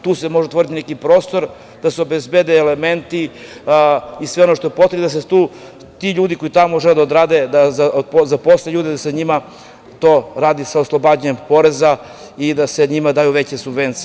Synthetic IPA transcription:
t̪uːsemo̞ʒeot̪ʋo̞ɾit̪inekipɾo̞ːst̪o̞ɾ | d̪̥aseo̞bezbed̪eːleme̞nt̪i | isʋe̞o̞noʃt̪oepo̞t̪ɾed̪as̬et̪uː | t̪iʎuːd̪iko̞it̪amoʒeled̪aod̪ɾaːd̪ed̪azapozapo̞sleʎuːd̪ed̪aseaɲima | t̪o̞ːɾaːd̪isaoslˠo̞bad͡ʑaɲempo̞ɾeza | id̪aseɲimad̪aːjuʋet͡ɕesubʋe̞nt̪si

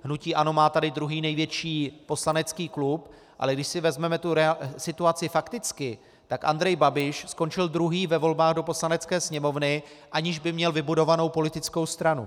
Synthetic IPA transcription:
ɦnuciːʔano̞maːt̪adɪd̪ɾuɦiːnɛjvjɛt͡ʃiːpo̞slanɛt͡skiːklup | ʔa̰lɛɡdɪʃsɪvɛzmɛmɛt̪uɾɛasɪt̪uat͡sɪfakt̪ɪt͡skɪ | t̪akʔa̰nd̪ɾɛjbabɪʃsko̞nt͡ʃɪld̪ɾuɦiːvɛvo̞lbaːɣdo̞po̞slanɛt͡skɛːsɲɛmo̞vnɪ | ʔaɲɪʒbɪmɲɛlvɪbudo̞vano̞wpo̞lɪt̪ɪt͡sko̞wst̪ɾanṵ

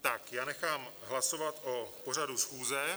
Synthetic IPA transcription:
t̪akjaːnɛxaːmɦlaso̞vat̪ʔopo̞r̝adusxuːzɛ

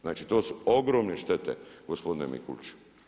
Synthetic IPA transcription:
znaːt͡ʃit̪o̞ːsuoɡɾoːmneʃt̪et̪ḛɡospo̞d̪inḛmḭkṵlʲt͡ʃu̥

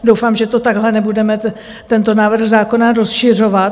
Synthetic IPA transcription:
dowfaːmʒɛt̪o̞t̪aɡɦlɛnɛbudɛmɛ | t̪ɛnt̪o̞naːvr̩xzaːko̞naɾo̞sʃɪr̝o̞vat̪

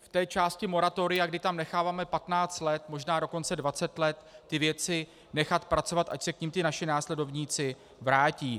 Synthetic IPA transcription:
ft̪ɛːt͡ʃaːscɪmo̞ɾat̪o̞ɾɪjaɡdɪt̪amnɛxaːvaːmɛpat̪naːt͡st̪lɛt̪mo̞ʒnaːdo̞ko̞nt͡sɛdvat͡sɛt̪lɛt̪ːɪvjɛt͡sɪ | nɛxat̪pɾat͡sovat̪ʔa̰csɛkɲimt̪ɪnaʃɪnaːslɛdo̞vɲiːt͡sɪ | vɾaːciː

